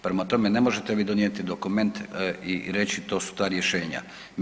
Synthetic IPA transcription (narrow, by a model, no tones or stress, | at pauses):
pɾemat̪o̞me̞ne̞mo̞ʒet̪eʋid̪onijet̪id̪o̞kume̞nt̪iɾe̞t͡ɕit̪o̞ːsu̥t̪aːɾjeʃe̞ːɲa̰